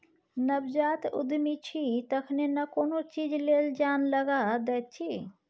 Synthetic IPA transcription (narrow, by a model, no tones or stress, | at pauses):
nəbd͡ʒaːt̪ʊ̰d̪ʱmit͡ʃʰit̪ɐkʰnenɐkoːnot͡ʃiːd͡ʒleːld͡ʒaːnləɡad̪ɛːt͡ʃʰi